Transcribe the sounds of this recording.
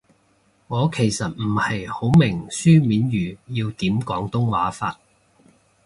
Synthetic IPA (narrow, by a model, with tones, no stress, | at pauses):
ŋɔː˨˧kʰe˨˩jsɐ˨t̚m̩˨˩hɐ˨jho˨˥wmɪ˨˩ŋsyː˥miː˨˥njyː˨jiː˧wt̪iː˨˥mkɔː˨˥ŋt̪ʊ˥ŋwaː˨˥fa̰ː˧t̚